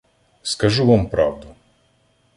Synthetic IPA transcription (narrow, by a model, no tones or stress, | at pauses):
skɐʒuʋampɾɑwd̪ʊ